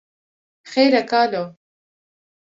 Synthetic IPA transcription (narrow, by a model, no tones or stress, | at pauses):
xejɾakaːlo